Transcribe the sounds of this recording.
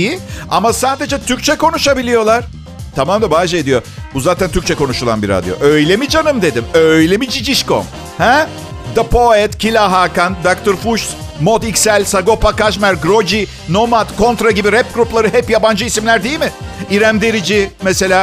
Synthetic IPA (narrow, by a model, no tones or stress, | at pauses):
jiamasaːd̪e̞d͡ʒɛt̪ʰyɾc̚ʲt͡ʃʰɛko̞nuʃabilʲijo̞lˠaɾ̥ | t̪ʰamamnd̪abaːd͡ʒɯe̞d̪ijo̞buzaːt̪ʰænt̪ʰyɾc̚t͡ʃʰɛko̞nuʃulˠa̰nbiɾa̰d̪jo̰ʔø̞jlʲemid͡ʒanɯmd̪e̞d̪imøjlʲɛmid͡ʒid͡ʒiʃko̰m | hɛ | d̪apʰoɛt̪cʰilʲaɦaːkand̪akt̪ʰoɾfuʃt̪ | mod̪icʲsælʲsaɡo̞pʰakaʃmæɾɡɾo̞d͡ʒi | no̞mat̪kʰo̞nt̪ɾaɟibiɾɛp̚ɡɾuplˠaɾɯɦɛpjaband͡ʒɯisimlʲæɾd̪ejilʲmɪiɾæmd̪e̞ɾid͡ʒimɛse̞lʲaː